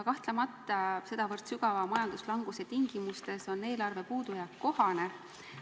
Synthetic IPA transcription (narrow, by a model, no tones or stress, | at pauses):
kɑht̪lemɑt̪ːˑɑse̞d̪̥ɑvɤrt̪syɡɑvɑmɑjɑnd̪̥uslɑŋɡ̥uset̪iŋɡ̥imust̪e̞so̞nːe̞ːlɑrve̞puːd̪̥ujɑkːo̞hɑne̞